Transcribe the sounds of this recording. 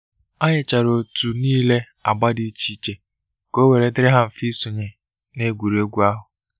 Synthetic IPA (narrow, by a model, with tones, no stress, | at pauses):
a˦ɲɪ˨t͡ʃa˨ɾo˨tu˨niː˦le˦ | a˨ɡ͡ba˦di˦t͡ʃi˦t͡ʃe˨ | ko˦we˨ɾe˨dɪ˦ɾɪ˦ɦa˦m̩˨fi˦su˨ɲe˨ | ne˦ɡʷu˨ɾi˨o˦ɡʷu˦a˦ɦʊ˨